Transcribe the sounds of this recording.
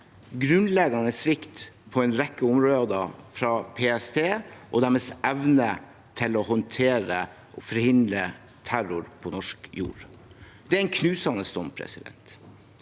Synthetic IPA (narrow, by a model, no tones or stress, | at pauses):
ɡɾʉnlɛɡɑnəsʋɪkt̪pʰɔɛɪnɾɛkːəʊmɾoːd̪ɑfɾɑːpʰeːɛst̪ʰeːʔɔd̪æɾmeːsɛʋnə | t̪ʰɪlɔhɔnt̪ʰeːɾə | ʔɔfɔɾhɪnd̪ɾə | t̪ʰæɾʊɾpʰɔnɔʂkjṵːɾ | d̪̥ɛæɾɛnkʰnʉːsɑnəst̪ɔmpʰɾɛ̰sɪd̪ɛ̰nt̪